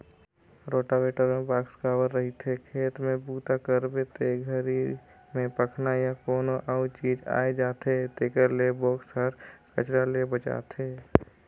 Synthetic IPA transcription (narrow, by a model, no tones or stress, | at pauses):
ɾoːʈabeːʈəɾmẽbaːkskaːʋəɾːəɦit̪ʰekʰeːt̪mẽbuːt̪akəɾbet̪ʰeɡʱəɾi | mẽpəkʰnajakoːnoʔaʊt͡ʃiːd͡ʒa̰ːed͡ʒaːt̪ʰet̪eːkəɾlebɔːksəɾkət͡ʃɾalebət͡ʃa̰ːt̪ʰeː